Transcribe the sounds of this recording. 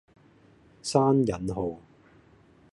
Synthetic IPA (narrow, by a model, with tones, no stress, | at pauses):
saː˥njɐ˨˥nɦo˨w